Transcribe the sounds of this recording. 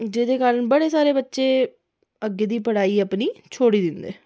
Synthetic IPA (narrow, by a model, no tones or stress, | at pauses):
d͡ʒeːd̪eːkaːɾəɳbəɽeːsaːɾeːbətːʃeː | əɡːeːd̪iːpəɽaːiːaːpniːt͡ʃʰoːɽiːd̪ɪnd̪ḛː